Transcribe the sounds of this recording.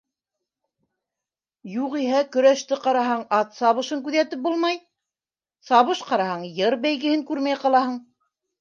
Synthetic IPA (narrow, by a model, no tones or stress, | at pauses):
juʁiɦækɵ̆ɾæʃt̪ɘqɑɾɑɦɑɴɑt̪sɑβɤ̆ʃɤŋkʉðæt̪ɘp̚bulˠmɑj | sɑβɤʃqɑɾɑhɑɴjɤɾbæjɡɘ̆hɘŋkʉɾmæjqɑlˠɑhɤɴ